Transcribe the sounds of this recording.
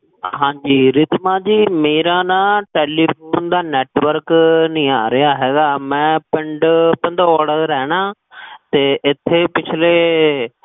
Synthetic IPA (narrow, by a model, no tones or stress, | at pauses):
ɦãːɲd͡ʒiːɾɪt̪mãːd͡ʒiːmeːɾãːnãːʈeːliːpʰuːnd̪aːnɛːʈʋəɾknĩːaːɾɪjaːɦɛːɡaːmɛ̃ːpɪɳɖpə̃nd̪ɔːɖəɾɾɛːɽ̃ãː | t̪eːʔɪt̪ʰːeːpɪt͡ʃʰleː